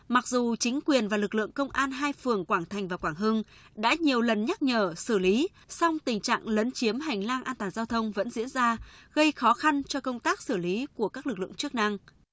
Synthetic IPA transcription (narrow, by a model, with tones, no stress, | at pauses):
ma˨˩k̚zu˨˩t͡ɕï˨˦ŋ̟kwi˨˩ənvaː˨˩lɨ˨˩k̚lɨ̰˧˨əŋkə˧wŋ͡mʔaː˧nɦaː˧jfɨ˨˩əŋkwaː˧˩ŋt̪ʰa˨˩ŋ̟vaː˨˩kwaː˧˩ŋɦɨ˧ŋɗa̰ː˧˥ɲi˨˩əwlə˨˩nɲa˦˥t̚ɲəː˧˩sɨ˧˩li˨˦ | sɔ˧wŋ͡mt̪ï˨˩ŋ̟t͡ɕa̰ː˧˨ŋlə˨˦nt͡ɕi˨˦əmɦa˨˩jŋ̟laː˧ŋʔaː˧nt̪waː˨˩nzaː˧wt̪ʰə˧wŋ͡mvə̰˧˥nzḭ˧˥ənzaː˧ɣə˧jxɔ˨˦xa˧nt͡ɕɔ˧kə˧wŋ͡mt̪aː˦˥k̚sɨ˧˩li˨˦ku˧˩əkaː˦˥k̚lɨ˨˩k̚lɨ̰˧˨əŋt͡ɕɨ˦˥ək̚na˧ŋ